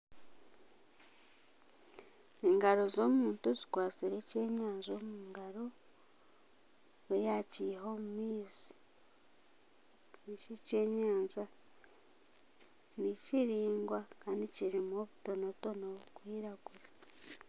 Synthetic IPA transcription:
eŋɡaɾo̞zo̞ːmuːntuzikwaːt͡siɾe̞ce̞ːɲaːɲzo̞ːmuːŋɡaɾo̞ | wejaciho̞ːmumiːzi̥ | nicice̞ːɲaːɲza | niciɾiːŋɡwakaːndiciɾimoβuto̞noβuto̞noβukwiːɾaɡuɾa

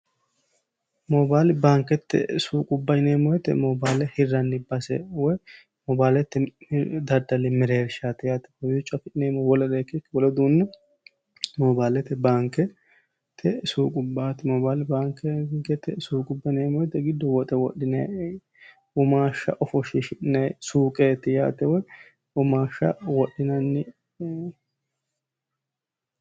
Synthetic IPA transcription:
mɔbaːlɪbaːŋkɛt̪ːɛ̰suːkʼʊbːɐneːmɔjɛt̪ːɛ̰mɔbaːlɛhɪrːɐnːɪbɐsɛ̰wɔj | mɔbaːlɛt̪ːɪd̪ɐd̪ɐlɛmɪɾeːɾʃat̪ɪjat̪ːɪ̥ɔjʊt͡ʃʼːɐfɪɪneːmɔwɔlɛɾeːkːɛkːwɔlɛd̪uːnːɛ | mɔbaːlɛt̪ɛbaːŋkɛ | t̪ʰɛsuːkʼʊbːaːt̪ːɪmɔbaːlɛbaːŋkɛŋkɛt̪ɛsuːkʼʊbːɐneːmɔt̪ɛɡɪd̪ːɔwɔt̪ʼɛwɔɗɪnɐj | ʊmaːʃːɐ̰ʔɔfɔʃɪʃɪᶑnɛjsuːkʼeːt̪ːɪja̰ːt̪ːɛwɔj | ʊmaːʃɐ̰wɔɗɪnɐnːɪ

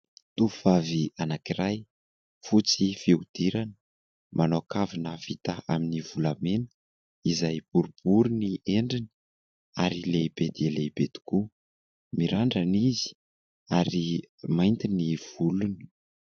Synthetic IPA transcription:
t̪uvavianakirʔaj | fut͡sifiud̪̥iɾanə̥ | manoakavinəv̥it̪aaminivulamenə̥ | izajb̥uɾubuɾunieɳɖ͡ʐini̥ | aɾileb̥ed̪ieleb̥ed̪̥i̥ku | miɾaɳɖ͡ʐanizi̥ | aɾimajnt̪iniv̥uluni̥

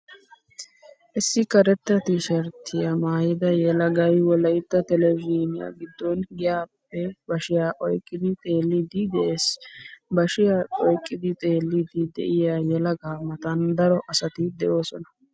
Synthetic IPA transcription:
ʔɪsːɪkɐɾɛt̪ːɐt̪ɪʃɐɾt̪ʰːɪjɐmaːjɪd̪ɐjɛlɐɡɐjwɔlɐjt̪ːɐt̪ɛlɛviːnɪja̰ːɡɪd̪ːɔnɡɪjaːpːɛbɐʃɪjaːʔɔjkʼːɪd̪ɪt̪ʼe̞ːlːɪd̪ɪd̪ɛʔeːsbɐʃɪjaːɔjkʼːɪd̪ɪt̪ʼe̞ːlːɪd̪ɪd̪ɛ̰ʔɪjaːjɛlɐɡaːmːɐt̪ɐnd̪ɐɾɔʔɐsɐt̪ɪd̪ɛʔo̞ːsɔnɐ̥

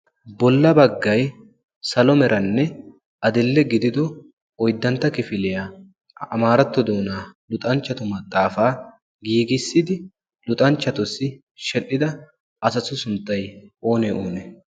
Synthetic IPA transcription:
bɔlːɐbɐɡːɐj | sɐlɔmɛɾʔɐnːɛ | ɐd̪ɪlːɛɡɪd̪ɪd̪ɔ | ɔjd̪ːɐnt̪ːɐkɪfɪlɪja | ɐmaːɾɐt̪ːɔd̪oːnaːlʊt̪ʼɐnt͡ʃːɐt̪ʊmɐt̪ʼːaːfaː | ɡiːɡɪsːɪd̪ɪ | lʊt̪ʼɐnt͡ʃːɐt̪ʊsɪ | ʃɛlʔɪd̪ɐ | ʔɐsɐsʊsʊnt̪ːɐjo̞ːnɛoːnɛ

